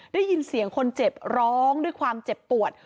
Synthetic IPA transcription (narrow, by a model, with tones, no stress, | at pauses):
daː˥˩jːi˧nsi˨˩˦əŋkʰo˧nt͡ɕe˨˩p̚ɾɔː˦˥ŋdu˥˩əjkʰwaː˧mt͡ɕe˨˩pːu˨˩ət̪̚